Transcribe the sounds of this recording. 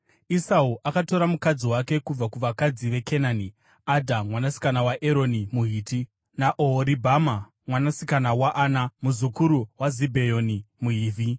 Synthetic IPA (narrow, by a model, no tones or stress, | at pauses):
isauʔakato̞ɾamukad͡ziwake̞kub͡vakuʋakad͡ziʋe̞kenaːni | adʱamwanasi̥kanawaʔeɾo̞nimuɦiːti | naʔoɾibʱama | mwanasikanawaʔaːnamuzukuɾuwazibʱe̞jonimuɦiːvʱi